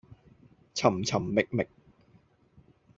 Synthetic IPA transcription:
t͡sʰɐ˨˩mt͡sʰɐ˨˩mːɪ˨k̚mɪ˨k̚

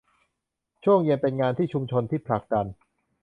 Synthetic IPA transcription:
t͡ɕʰu˥˩əŋji˧npe˧nŋaː˧nt̪ʰiː˥˩t͡ɕʰu˧mt͡ɕʰo˧nt̪ʰiː˥˩pʰla˨˩k̚da˧n

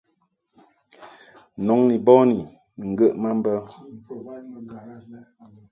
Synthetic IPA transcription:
nɔ˨˦ŋni˨bɔ˦ni˨ | ŋ̩˨ɡə˦ʔma˦m̩˦bə˦

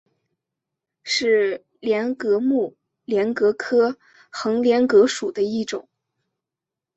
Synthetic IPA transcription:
ʂɻ̩˥˩ | ljɛ˧˥nkɤ˧˥mu˥˩ | ljɛ˧˥nkɤ˧˥kʰɤ˥ | xɤ˧˥ŋljɛ˧˥nkɤ˧˥ʂu˨˩d̪ə˦i˥˩ʈ͡ʂʊ̰˨˩˦ŋ

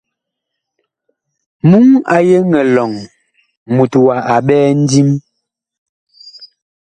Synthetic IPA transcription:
mu˦ŋa̰˨je˦ŋɛ˨lɔ˨ŋ | mu˨twa˨ʔa˨ɓɛː˦n̩˦di˦m

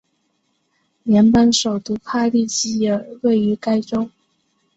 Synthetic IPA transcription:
njɛ˧˥npa˥nʂo˨˩ʊt̪u˧˥pʰa˥˧li˥˧t͡ɕi˥˩jɛ˨˩we˥˩ɪy˧˥ka˥ɪʈ͡ʂo˥ŋ

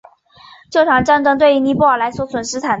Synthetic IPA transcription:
t͡ɕjo˥˩ʊʈ͡ʂʰɑ˨˩ŋʈ͡ʂa˥nʈ͡ʂɤ˥ŋt̪we˥˩ɪy˧˥ni˧˥pu˥˩ə˞˨˩la˧˥ɪswɔ˧˥t͡sʰwə˨˩nʂɻ̩˥t̪ʰa˨˩˦

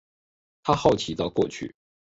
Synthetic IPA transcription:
t̪ʰa˥xɑ˥˩ʊt͡ɕʰi˨˥t̪ɑ˥˧ʊkwɔ˥˩t͡ɕʰy̰˥˩

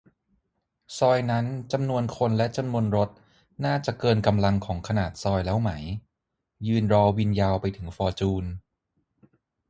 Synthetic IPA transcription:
sɔː˧jna˦˥nt͡ɕa˧mnu˧ənkʰo˧nlɛ˦˥ʔt͡ɕa˧mnu˧ənɾo˦˥t̪̚ | naː˥˩t͡ɕa˨˩ʔkɤː˧nka˧mla˧ŋkʰɔː˩˦ŋkʰa˧naː˨˩t̪̚sɔː˧jlɛː˦˥wma˦˥j | jɯː˧nɾɔː˧wi˧njaː˧wpa˧jt̪ʰɯ˩˦ŋfɔː˧t͡ɕuː˧n

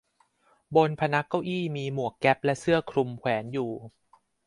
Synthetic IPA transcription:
bo˧npʰa˧na˦˥kːa˥˩wʔiː˥˩miː˧mu˨˩əkːɛ˦˥p̚lɛ˦˥ʔsɯ˥˩ɐkʰɾu˧mkʰwɛː˩˦njuː˨˩

